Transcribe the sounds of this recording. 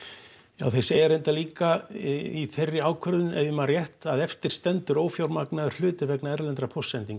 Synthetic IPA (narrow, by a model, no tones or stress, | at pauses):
ja̰wθɛ̥sɪɛɾejnt̪aliːkaiθejrːɪaːwkʰœɾðʏnɛvjɪmarjɛht̪aðɛft̪ɪɾ̥st̪ɛnt̪ʏɾoːwfjawɾmaknaðʏ̥hlʏːt̪ɪvɛknaɛɾlɛnt̪ɾapʰosɛnt̪iŋk